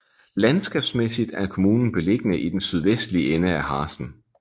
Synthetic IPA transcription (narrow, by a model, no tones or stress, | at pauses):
lænsɡ̥ɛ̰ːb̥smesid̥æɐkʰo̝muːnn̩b̥e̝le̝ɡ̥ənəʔid̥ensyð̞ˠʋesd̥liəenəæhɑ̈ːsn̩